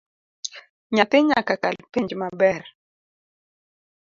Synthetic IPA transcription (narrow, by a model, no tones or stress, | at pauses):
ɲat̪ɪɲakakalpeɲd͡ʒmabɛr